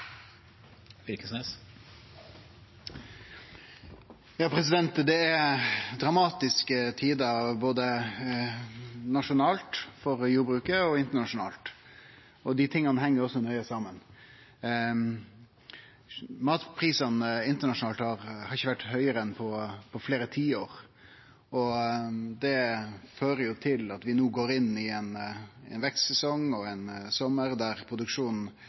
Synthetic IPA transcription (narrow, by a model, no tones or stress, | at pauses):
ʋɪlkəsneːs | jɑːpʰɾɛsɪd̪ɛnt̪d̪ɛɛɾd̪ɾɑmɑːt̪ɪskət̪ʰiːd̪əɑʋboːd̪ə | nɑʂʊnɑːlt̪fɔɾjuːbɾʉːkəɔɪnt̪əɳɑʂʊnɑ̰ːlt̪ | ɔd̪ɪt̪ʰɪŋːɑnəhɛŋːəɾɔsːɔnœʏəsɑːmən | mɑːt̪pʰɾiːsɑnɪnt̪əɳɑʂʊnɑːlt̪hɑɾhɑɾɪçːəʋæʈːhœʏəɾəɛnpʰɔpʰɔfleːɾət̪ʰiːoːɾ | ɔ | d̪ɛføːɾəjʊt̪ʰɪlɑt̪ʋɪnuːɡoːɾɪnːɪɛnɛ̰nʋɛkssɛsɔŋɔɛnsɔmːəɾd̪æɾpʰɾʊd̪ʉkʂuːnn̩